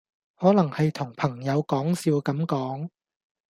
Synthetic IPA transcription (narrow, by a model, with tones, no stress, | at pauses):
hɔː˨˥lɐ˨˩ŋhɐ˨jt̪ʰʊ˨˩ŋpʰɐ˨˩ŋjɐ˨˧wkɔː˨˥ŋsiː˧wkɐ˨˥mkɔː˨˥ŋ